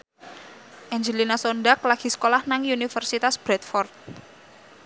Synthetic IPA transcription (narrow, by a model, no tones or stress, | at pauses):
ʔɛɲd͡ʒəlinasonɖaklaɡ̥i̤sə̥kolahnaŋjunifərsit̪asb̥ɾɛt̪̚fɔrt̪̚